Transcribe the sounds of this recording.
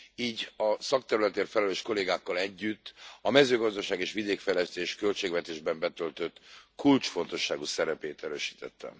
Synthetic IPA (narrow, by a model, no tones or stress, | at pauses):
iːɟɒsɒk̚t̪ɛɾylɛt̪eːrfɛlɛløːʃko̞leːɡaːkːɒlɛɟːyt̪ːɒmɛzøːɡɒzd̪ɒʃaːɡeːʃʋid̪eːkfɛjlɛst̪eːʃkø̞lt͡ʃeːɡvɛt̪eːʒbɛmbɛt̪ø̞lt̪ø̞t̪ːkult͡ʃfo̞nt̪o̞ʃːaːɡusɛɾɛpeːt̪ɛɾø̰ːʃi̥ːt̪ɛ̰t̪ːɛ̰m